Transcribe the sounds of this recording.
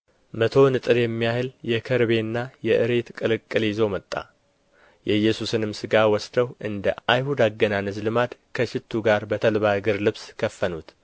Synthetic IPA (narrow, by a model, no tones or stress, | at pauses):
mət̪ʰo̞nɨt̪ʼɨɾjɛmːijahɨljɛkʰəɾβe̞nːajɛʔɨɾe̞t̪kʼɨlɨkʼːɨlzo̞mət̪ʼːa̰ | jɛjːɛsusɨnɨmsɨɡawɔsd̪əwʔɨnd̪əajhud̪aɡːənanɨzlɨmad̪kʰəʃɪt̪ʰːuɡaɾbət̪ʰəlβaɡɨɾlɨβskʰəfːənut̪